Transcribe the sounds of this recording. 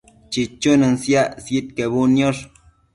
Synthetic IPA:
t͡ʃit͡ʃunɨnsjasjet̪̚keβunjoɾ

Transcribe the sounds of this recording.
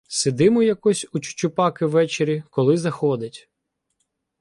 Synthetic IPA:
sed̪ɪmɔjɐkɔsʲut͡ʃʊ̥t͡ʃʊpɑkɪʋːɛt͡ʃeɾʲikɔlˠɪzɐxɔd̪ɪtʲ

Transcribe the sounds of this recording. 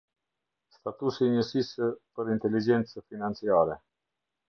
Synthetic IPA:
st̪at̪usiɲəsispəɾint̪ɛlid͡ʒɛnt͡səfinant͡siaɾɛ

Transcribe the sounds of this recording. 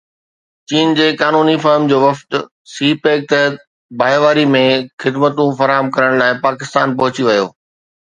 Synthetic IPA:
t͡ɕiːnd͡ʑeːkaːnuːnifɐɾmd͡ʑoːʋɐft̪ | siːpeːk̚t̪ɐ | baːʋaːɾimẽxɪd̪mət̪ũfɐɾaːɦəmkɐɾəɽ̃laːɪpaːkɪst̪aːnpɐɦʊt͡ɕiʋɐjo̰ː

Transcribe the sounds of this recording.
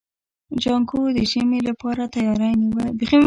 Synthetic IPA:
d͡ʒɑŋkod̪əʃəmelapɑɾat̪ajɑɾaniwabeχi

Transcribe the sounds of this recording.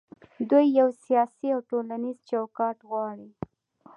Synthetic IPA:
d̪ujːawsijɑsiawʈolanizt͡ʃawkɑʈɣwɑɽi

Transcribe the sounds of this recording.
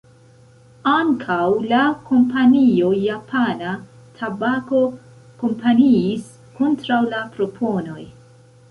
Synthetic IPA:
aŋkʰawlako̞mpanio̞japʰana | tʰabako̞ | ko̞mpaniːs | ko̞ntɾawlapɾo̞pʰo̞no̞j

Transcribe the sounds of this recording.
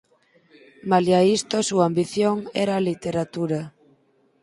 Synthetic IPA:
maljaist̪osuambiθjoŋɛɾaːlit̪eɾat̪uɾa

